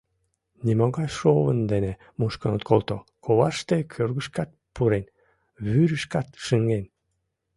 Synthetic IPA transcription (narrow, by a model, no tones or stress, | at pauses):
nʲimoɣɑjʃoβənd̪ene | muʃkənot̪kʰolˠt̪okʰoβɑʃt̪ekʰørɣəʃkɑt̪̚puɾen | βyɾəʃkɑt̪ʃəŋɡen